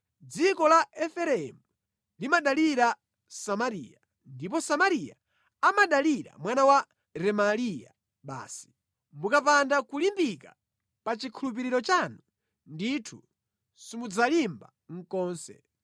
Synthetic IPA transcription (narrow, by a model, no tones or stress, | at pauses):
d͡zikɔlaɛfɛɾɛmu | limaɗaliɾa | samaɾḭːja | ndipɔsamaɾija̰ | amaɗaliɾa̰mwanawa | ɾɛmalija̰ | ɓa̰ːsi̥ | mukapandakulimbika | pat͡ʃikʰulup̬iɾiɾɔt͡ʃanu | nditʰu | simud͡zalimba | ŋ̩kɔːnsɛ̰